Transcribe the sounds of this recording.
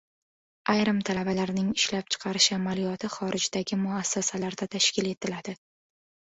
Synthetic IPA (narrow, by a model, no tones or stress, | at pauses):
ajɾɪmt̪ʰalabalaɾnɪŋɪʃlap̚t͡ʃʰɨ̥qʰɑɾɪʃamalijɒt̪ʰɪχɒɾʔɪd͡ʒd̪aɡʲɪmʊasːasalaɾd̪at̪ʰaʃkʲɪle̞t̪ʰɪlad̪̥ɪ